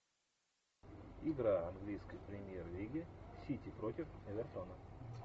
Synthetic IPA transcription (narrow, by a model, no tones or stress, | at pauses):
ɪɡɾaɐnɡlʲijskəjpɾʲɪmʲjerlʲiɡʲɪsʲitʲipɾot̪ʲɪfɛvʲɛrt̪onə